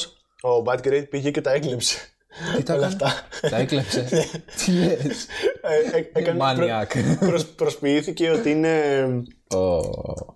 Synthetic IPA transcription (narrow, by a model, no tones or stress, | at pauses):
s | obɐt̪ɡɾejd̪̚piʝece̞t̪ɐeklipse̥ | iolɐft̪ɐt̪ɐeklepsenet̪ʰileseeekɐnɐnɾɐkpɾospɾospiiθice̞o̞t̪iine̞ | o